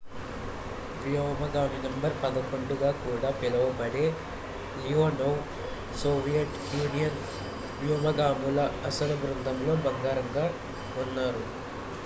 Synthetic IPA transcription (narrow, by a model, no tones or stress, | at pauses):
ʋjɔːmɐɡaːminɐmbɐɾpɐd̪ɐkoɳɖuɡaːkuːɽaːpilɐʋɐbɐɽeː | lioːnɐw | soːʋijɐʈ | juːnijɐn | ʋjɔːmɐɡaːmulɐɐsɐlɐbɾund̪ʱɐmlo̞ːbɐŋɡaːɾɐŋɡaː | unːaːɾu